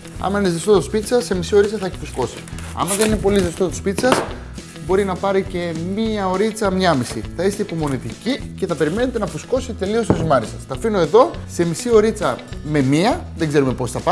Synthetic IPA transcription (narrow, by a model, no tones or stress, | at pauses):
ɐ̰mɐinezðest̪ot̪ospit̪i̥sɐsːe̞misio̞ɾit͡sɐθɐeçi̥pusko̞si̥ | ɐ̰mɐðeninepo̞lizðest̪ot̪uspit̪i̥sɐs | bo̞ɾinɐpɐɾice̞miɐo̞ɾit͡sɐmɲɐmisḭθɐist̪eipo̞mo̞nit̪icice̞θɐpe̞ɾime̞net̪enɐpusko̞si̥t̪e̞lio̞st̪uzimɐɾisɐst̪ɐfino̞e̞ðo̞se̞misio̞ɾit͡sɐme̞miɐðe̞ɡze̞ɾume̞po̞sθɐpɐ